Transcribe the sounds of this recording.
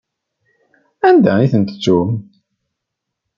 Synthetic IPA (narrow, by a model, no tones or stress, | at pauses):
ænd̪æiθənt̪ə̥t͡sːum